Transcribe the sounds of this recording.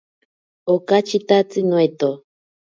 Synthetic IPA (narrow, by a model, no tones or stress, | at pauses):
okat͡ʃit̪at͡sɨnwet̪o